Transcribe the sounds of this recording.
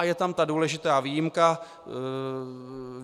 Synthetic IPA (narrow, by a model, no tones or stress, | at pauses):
jɛt̪amt̪aduːlɛʒɪt̪aːviːjɪmka